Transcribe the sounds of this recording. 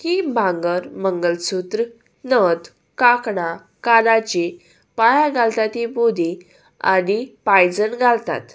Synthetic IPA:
hibʱãŋɡəɾməŋɡəlsut̪ɾ | nəd̪ | kakɽa | kanat͡ɕi | pajaɡʱalt̪at̪ibod̪i | a̰ɽipajd͡zənɡʱalt̪a̰t̪

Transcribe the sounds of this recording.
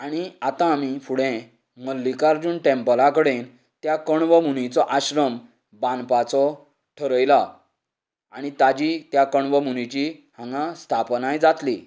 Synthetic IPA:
aɽ̃iat̪ãːmifuɽẽ | məlːikaɾd͡zuːnʈẽmpəlakəɽen | t̪jakəɳʋəmunit͡sɔʔaɕɾəm | bãnpat͡sɔ | ʈʰəɾəjla | aɽ̃it̪ad͡ʑit̪jakəɳʋəmuñit͡ɕihãŋɡast̪ʰapnajd͡zat̪li

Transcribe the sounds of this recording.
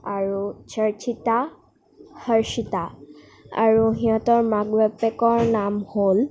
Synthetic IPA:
aɹut͡ʃʰəɹt͡ʃita | həɹʃita | a̰ɹuɦiɔ̃tɔɹmaɡbɛpekɔɹnamhol

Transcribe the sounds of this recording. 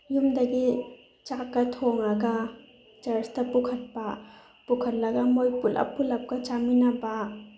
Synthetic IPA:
jumdɐɡi | t͡ʃakːatʰoŋaɡa | d͡ʒɐɾstɐpukʰɐt̚pa | pukʰɐt̚lɐɡamojpulʔɐ̰pːulap̚kɐt͡ʃaminɐba

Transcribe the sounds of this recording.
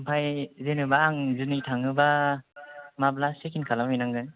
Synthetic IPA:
mpʰajzenɯbaːŋzɯnitʰaŋɯba | mablasekʰinkʰalamɯjnaŋɡɯn

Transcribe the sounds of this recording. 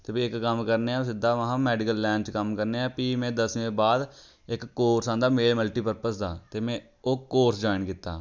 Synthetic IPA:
t̪eːpiɪkːəmkəɾneːãːsɪd̪aːʋəɦãːmɛːɖɪkəlːɛːnt͡ʃkəmkəɾneːãːpiːmɛ̃ːd̪əsẽːbaːd̪ | ɪkːoːɾsãːnd̪aːmeːlməlʈiːpəɾpəsd̪a̰ːt̪eːmɛ̃ː | oːkːoːɾsd͡ʒaːɪnkiːt̪ːa̰ː

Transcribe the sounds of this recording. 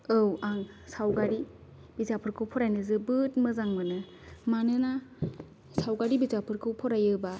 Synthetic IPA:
ɯwaŋ | sawɡaɾi | bizapʰɯɾkʰɯwpʰɔɾajnɯzɯbɯt̚mɯzaŋmɯnɯ | manɯna | sawɡaɾibizapʰɯɾkʰɯwpʰɔɾajɯba

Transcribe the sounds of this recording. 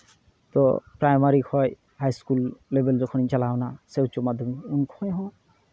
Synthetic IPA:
t̪ɔ̰pɹajmaɾikʰɔj | hajskulːebelzɔkʰɔnit͡ʃalawnasewt͡ʃomad̪ʱɔmiunkʰɔjɦɔ̃

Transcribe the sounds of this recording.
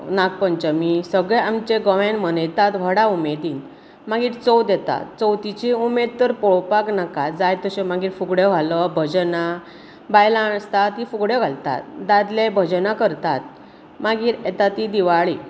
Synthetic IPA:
nak̚pənt͡ɕəmisəɡɭeamt͡ɕeɡɔʋãnmənet̪at̪ʋ̤ʱəɽaumed̪in | maɡiːɾt͡sɔwd̪ɛt̪a̰t̪t͡sɔwt̪it͡ɕiumed̪t̪əɾpɔɭpaknakad͡zajt̪əɕemaɡiːɾfuɡɽeɡʱaləbʱəd͡ʑna | bajlaɳst̪at̪ifuɡɽeɡʱalt̪a̰t̪d̪ad̪lebʱəd͡ʑnakəɾt̪at̪̚ | maɡiːɾet̪at̪id̪iʋaɭi

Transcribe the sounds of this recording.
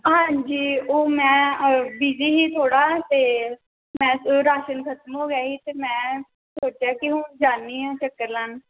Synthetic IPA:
ɦãːɲd͡ʒiːoːmɛ̃ːbiːd͡ʒiːɦiːt̪ʰoːɽaːt̪eː | mɛ̃ːɾaːʃənkʰət̪əmɦoːɡaːiːt̪eːmɛ̃ː | soːʈaːkɪɦʊnd͡ʒaːnːiːɦɛ̃ːt͡ʃəkːəɾlaːn

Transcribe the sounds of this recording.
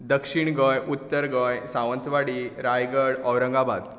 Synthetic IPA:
d̪əkʂiɳɡəjʔut̪ːəɾɡə̃jsãʋənt̪ʋaɽiɾajɡəɽəwɾəŋɡabad̪

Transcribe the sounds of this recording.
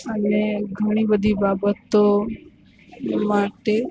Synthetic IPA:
əneɡʱəɽ̃ibəd̪ʱibabət̪o | maʈe

